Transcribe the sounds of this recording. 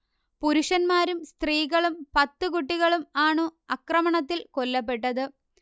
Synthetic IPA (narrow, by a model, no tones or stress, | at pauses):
puɾuʂɐnmaːɾumst̪riːɣɐɭumpɐt̪ːɨkuʈːiɣɐɭumaːɳoːɐkrɐmɐɳɐt̪̬ːilko̞lːɐp̬ːe̞ʈːɐðɨ